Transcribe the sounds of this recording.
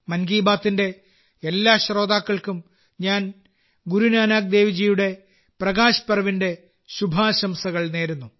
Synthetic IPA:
mɐnɡiːbaːt̪ːinde̞ | elːaːɕro̞ːd̪aːkːɐɭkum | ɲaːn | ɡuɾunaːnaːk̚d̪e̞ːʋid͡ʑijuɽe̞ | prɐɣaːɕɐ̥pɐrɐʋinde̞ | ɕubʱaːɕɐmsɐɣɐɭne̞ːɾunːu

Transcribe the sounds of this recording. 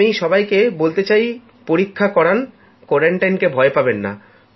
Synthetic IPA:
ijʃɔbajkebolt̪et͡ɕaj | poɾikʰːakɔɾan | kɔɾaɳʈajnkebʱɔepabenːa̰

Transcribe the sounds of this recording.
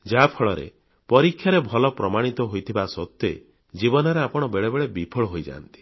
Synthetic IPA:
d͡ʒapʰɔɭɔɾḛ | pɔɾikʰːjaɾebʱɔlɔpɾɔmaɽ̃it̪ɔɦojt̪ʰibasɔt̪ːe | d͡ʒibɔnɔɾeapɔɽ̃ɔbeɭebeɭebipʰɔɭɔɦojd͡ʒa̰ːnt̪i̥

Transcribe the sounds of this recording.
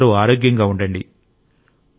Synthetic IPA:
ɾuaːɾoːɡjɐŋɡaːuɳɖɐɳɖḭ

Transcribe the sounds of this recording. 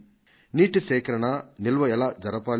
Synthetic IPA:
niːʈisɛːkɐɾɐɳɐnilʋɐɛlaːd͡ʒɐɾɐpaːl

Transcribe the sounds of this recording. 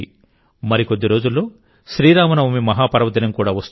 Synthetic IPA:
i | mɐɾikod̪ːiɾo̞ːd͡ʒulːo̞ː | ʃɾiːɾaːmɐnɐmomimɐɦaːpɐɾɐʋɐd̪ɐnɐmkuːɽaːʋɐst̪

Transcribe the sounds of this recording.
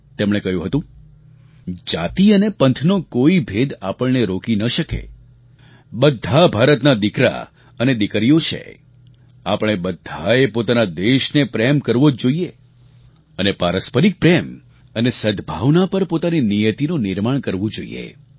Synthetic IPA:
t̪emɽ̃ekəɦjũɦət̪ũ | d͡ʒat̪iənepənt̪ʰnokoibʱed̪apəɭneɾokinəʃəkḛ | ɓəd̪ʱːabʱaɾət̪nad̪ikɾa̰ | əned̪ikəɾijot͡ʃʰḛ | apəɳ̃ebəd̪ʱːaepot̪anad̪eʃnepɾemkəɾʋod͡ʒd͡ʒoie | ənepaɾəspəɾik̚pɾem | ənesəd̪ʱbʱaʋnapəɾpot̪aninijət̪inũnɪɾmaɳkəɾʋũd͡ʒoḭjḛ

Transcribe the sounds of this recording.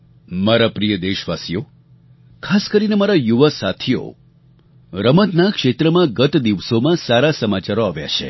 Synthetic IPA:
maɾapɾijəd̪eʃʋasijo | kʰaskəɾinemaɾajuʋəsat̪ʰijo̰ | ɾəmət̪nakʃet̪ɾəmãɡət̪d̪iʋsomãsaɾasəmat͡ʃaɾoaʋja̰t͡ʃʰḛ

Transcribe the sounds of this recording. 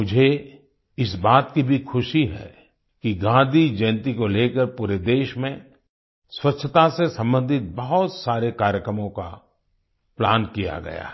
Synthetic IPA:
mʊd͡ʒʱe | ɪsbaːt̪kibʱixʰʊʃiɦɛ̰ | kiɡãːd̪ʱid͡ʒɐnt̪̬ikoleːkəɾpuːɾed̪eːʃmẽ | swɐtʃʰət̪asesɐ̃mbə̃nd̪ʱɪt̪̚bɐɦɔt̪saːɾekaːɾjəkɾəmõka̰ | pla̰ːnkija̰ɡɐ̰ja̰ɦɛ

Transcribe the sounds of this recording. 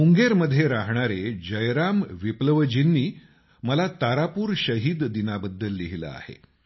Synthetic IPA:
uŋɡeɾməd̪ʱːjeɾaɦɳ̃aɾed͡ʑəjɾamʋipləʋəd͡ʑinːiː | məlat̪aɾapuːɾɕəɦiːd̪d̪inabəd̪ːəlːiɦilə̰a̰hḛ

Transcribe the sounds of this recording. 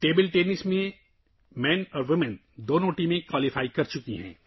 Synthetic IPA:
ʈeːbɪlʈeːnɪsmẽ | mɛ̃ːnɔːɾʋɪmɪn | d̪oːnõːʈimẽkwaːlɪfaːikɐɾt͡ʃʊkiɦɛ̰̃ː

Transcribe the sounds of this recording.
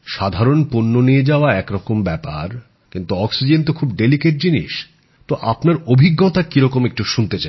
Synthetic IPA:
ʃad̪ʱaɾonponːonied͡ʑaoaɛkɾɔkombɛpa̰ɾ | kint̪uɔksid͡ʑent̪okʰubɖelikeʈ̚d͡ʑinḭʃ | t̪oʔapnaɾobʱiɡːɔt̪akiɾɔkomek̚ʈuʃunt̪et͡ɕa

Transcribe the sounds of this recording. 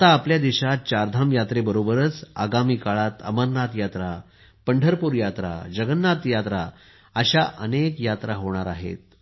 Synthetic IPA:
t̪aːpljad̪iɕat̪̚t͡ɕaɾd̪ʱamjat̪ɾebəɾobəɾət͡sa̰ɡamiːkaɭat̪ə̰məɾnat̪jat̪ɾa | pəɳɖʱəɾpuːɾjat̪ɾa̰d͡ʑəɡənːat̪jat̪ɾa | əɕaʔə̰nekjat̪ɾaɦoɳ̃aɾaɦḛt̪̚

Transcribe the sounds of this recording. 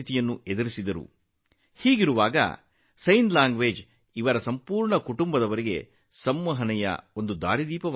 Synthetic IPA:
it̪ijɐnːued̪ɐɾisid̪ɐɾṵ | hiːɡiɾuʋaːɡɐ̰ | sɐjnlaːŋɡʋe̞ːd͡ʒ | iʋɐɾɐsɐmpuːɾɳɐkuʈumbɐd̪ɐʋɐɾiɡe̞̰ | sɐmːɐɦɐnɛjɐ̰o̞nd̪ud̪a̰ːɾid̪iːpɐʋ

